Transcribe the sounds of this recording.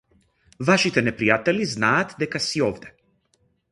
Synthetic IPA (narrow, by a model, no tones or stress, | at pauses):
vaʃit̪ɛnɛpɾijat̪ɛliznaːt̪d̪ɛkasiovd̪ɛ̥